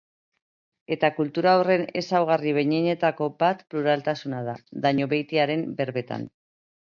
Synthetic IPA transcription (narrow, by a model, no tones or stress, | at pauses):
e̞t̪akult̪uɾaːwre̞ne̞̰sawɣ̞ariβe̞ɲeɲe̞t̪ako̞bat̪pluɾalt̪asunaðaðaɲo̞βe̞jt̪iaɾe̞mbe̞ɾβe̞t̪a̰n